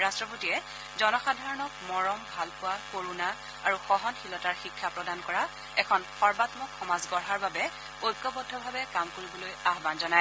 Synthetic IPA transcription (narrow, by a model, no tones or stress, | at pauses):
ɹastɹɔpotijɛ | zɔnɔxadʱaɹɔnɔkmɔɹɔmbʱalpʊwakoɹuna | aɹuxɔɦɔnxilɔtaɹxikʰːapɹɔdankɔɹa | ɛkʰɔnxɔɹbatmɔkxɔmazɡɔɹɦaɹbabɛ | ojkːɔbɔdʱɔbʱabɛkamkoɹibɔlojaɦbanzɔnaj